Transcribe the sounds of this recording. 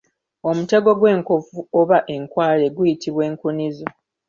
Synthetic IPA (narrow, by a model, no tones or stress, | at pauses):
o̞mute̞ɡo̞ɡwe̞ːŋkofuoβaʔe̞ŋkwaːle̞ɡujitʰiβwe̞ːŋkunizo